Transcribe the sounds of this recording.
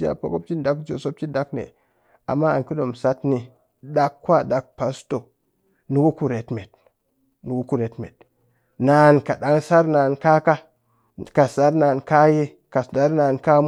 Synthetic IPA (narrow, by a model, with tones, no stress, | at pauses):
a̰˨po̰˨ko˦p̚t͡ʃi˦nda˨˦kd͡ʒo˨so˦p̚t͡ʃi˦nda˨˦knḛ˨ | a̰˨mːa˦a˨ki˦do˨msa˦tni˦˨ | da˦kːwa˦da˨k̚pa˨sto˨ | nu˨ɡu˦ku˨ɾe˨tme˨t̚ | nu˨wu˦ku˨ɾe˨tmḛ˨d̚ | na˨nka˨ɗa˦ŋsa˦ɾna˨nka˦ka˦ | ka˨sa˦ɾna˨nka˦je˦ | ka˨da˦ɾna˨nka˦m